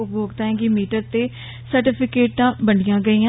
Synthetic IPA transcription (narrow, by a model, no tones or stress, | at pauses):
boːɡt̪aːɦɛ̃ːɡimiːʈəɾt̪eː | səɾʈɪpʰɪkeːʈːãːbəɳɪjãːɡəiːã